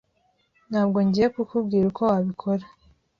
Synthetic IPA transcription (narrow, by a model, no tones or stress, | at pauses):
n̥haːbɡo̞ɲɟijekukubɡiːɾuko̞waβikʰoɾa